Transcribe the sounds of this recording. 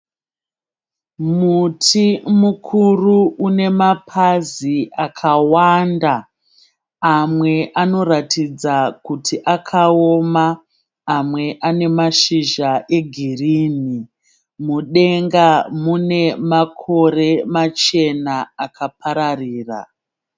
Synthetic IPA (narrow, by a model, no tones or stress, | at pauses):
mutʰimukʰuruune̞mapʰaziakʰawandaː | mwe̞ʔano̞ɾatʰid͡zakutiʔakʰaomaː | mwe̞ʔane̞maʃiʒaʔe̞ɡʱirini | muɗe̞ŋɡamune̞makʰo̞ɾe̞mat͡ʃe̞naːkʰap̚ʰaɾariːra̰